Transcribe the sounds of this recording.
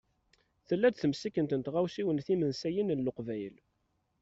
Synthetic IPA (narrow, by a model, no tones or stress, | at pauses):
θəlːæd̪θəmsikːənt̪ənət̪ʁawsiwənθimənsæjinənloqvæjəl